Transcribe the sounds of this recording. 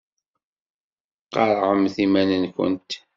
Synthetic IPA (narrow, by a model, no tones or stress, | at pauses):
qɑɾˤʕəmθimænənkʷə̰nt̪